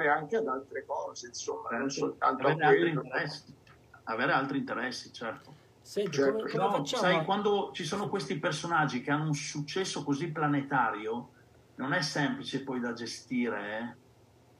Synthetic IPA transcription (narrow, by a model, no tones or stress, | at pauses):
ɾeaŋk̟ead̪alt̪ɾekɔːzeinsomːasolt̪a̰ntaoveːɾealt̪ɾint̪eɾɛsːi | aveːɾealt̪ɾint̪eɾɛsːit͡ʃɛrt̪o | t͡ʃɛɾɔsajkwand̪ot͡ʃisoːnokwest̪ipersonad͡ʒːik̟eanːounsut͡ʃːɛsːokozipːlanet̪aːɾjo | nonɛsːɛmplit͡ʃepɔjd̪ad͡ʒest̪iːɾeɛ